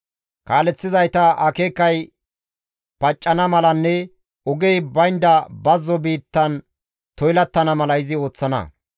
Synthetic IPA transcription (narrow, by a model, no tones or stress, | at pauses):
kaːlɛt͡sːɪzɐjt̪ɐʔɐkeːkːɐj | pɐt͡ʃʼːɐnɐmɐlɐnːɛ | ɔɡɛjbɐjnd̪ɐbɐzːɔbiːt̪ːɐn | t̪ɔjlɐt̪ːɐnɐmɐlɐɪzɪo̞ːt͡sːɐnɐ̰